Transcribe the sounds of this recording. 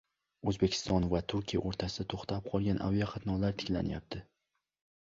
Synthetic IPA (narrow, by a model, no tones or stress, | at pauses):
ɵzbekʲʰɪ̥st̪ɒnvat̪ʰʊɾkʲʰijaʔoɾt̪ʰasɪd̪at̪ʰoχt̪ʰap̚qʰɒlˠɡʲanʔa̰vijaqʰɑt̪nɒlaɾt̪ʰɪ̥kʲla̰nɪja̰p̚t̪ʰɪ